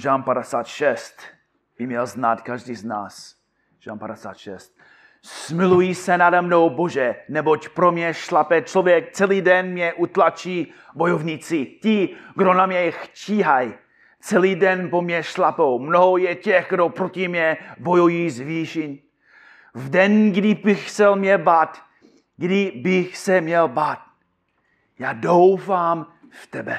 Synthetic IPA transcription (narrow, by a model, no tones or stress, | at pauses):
ʒaːmpadɛsaːt̪ʃɛst̪ | bɪmɲɛlznat̪kaʒdiːzna̰ːs | ʒ̥a̰ːmpadɛsa̰ːt̪ʃɛst̪̚ | smɪlujisɛnadɛmno̞wboʒɛnɛbocpɾomɲɛʃlapɛt͡ʃlovjɛk̚t͡sɛliːdɛnmɲɛʔut̪lat͡ʃiː | bojovɲit͡sɪcɪɡdo̞namɲɛxciːɦaj | t͡sɛliːdɛnpomɲɛʃlapowmnoɦojɛcɛxɡdopɾocɪmɲɛbo̞jujiːzviːʃɪn | vdɛnɡdɪbɪxsɛlmɲɛbaːt̪ | ɡdɪbɪxsɛmɲɛlbaːt̪̚ | jaːdowfaːm | ft̪ɛbɛ